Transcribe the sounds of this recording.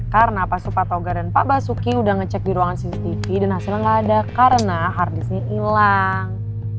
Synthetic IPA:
kaɾənapasupat̪oɡardanpaʔbasukiudahŋət͡ʃɛk̚diɾuaŋansisit̪ifidanhasɪlaŋladakaɾənaɦardisɲaʔilaŋ

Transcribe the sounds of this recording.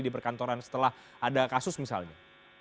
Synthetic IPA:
dipərkant̪oɾansə̥t̪əlah | ʔadakasʊsmisa̰lɲa̰

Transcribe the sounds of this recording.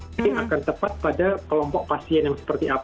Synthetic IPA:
iakant̪əpat̪̚padakəlɔmpɔk̚pasiɛnjaŋsə̥pərt̪iʔap

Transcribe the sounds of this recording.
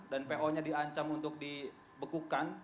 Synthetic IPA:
danpeʔoɲadiaɲt͡ʃaŋunt̪ʊk̚di | bəkukan

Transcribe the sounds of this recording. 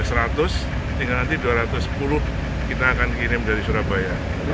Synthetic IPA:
səɾat̪ʊs | d̪iŋɡalnant̪iduaɾat̪ʊspulʊh | kit̪aːkankiɾɪmdaɾisuɾabaja

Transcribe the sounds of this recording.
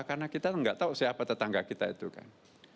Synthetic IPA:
karnakit̪aŋɡa̰ʔt̪ausəapat̪ət̪aŋɡakit̪ait̪uka̰n

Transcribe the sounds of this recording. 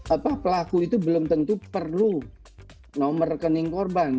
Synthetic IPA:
apapəlakuit̪ubəlʊmt̪ənt̪upərlu | nomərkənɪŋkorban

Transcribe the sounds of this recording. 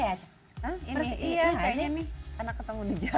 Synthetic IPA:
ja | əiəɾsijaaɲanɪhənakːət̪əŋudid͡ʒa

